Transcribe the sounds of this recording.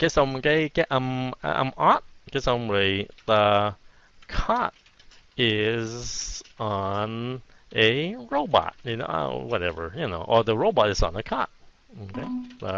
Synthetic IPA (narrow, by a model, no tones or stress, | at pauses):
ɡ̥ɛtsʌ̃mɡeɪɡ̥ɛʔʔãɪ̃mã̰ɪ̃mɑt̚ɡ̥ɛtsãmɹeðə | kʰɑt̚ | ɪz | n | ʔɨɹoʊbɑ̰t̚jɨno̰wʌɾɛ̰və̰˞jɨno̰ʊʔə˞ðəɹoʊbɑɾɨzn̩əkʰɑ̰t̚ | okʰeɪðə